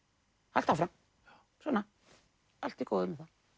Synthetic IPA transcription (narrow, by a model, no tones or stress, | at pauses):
ha̰l̥t̪afɾam | sɔnːa | al̥t̪ikoːwðʏmɛθa